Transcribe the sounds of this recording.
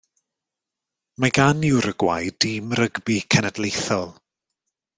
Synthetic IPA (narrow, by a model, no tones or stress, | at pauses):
maɡanɪwɾəɡwa̰jdimrəɡbikʰənədlˠejθɔlˠ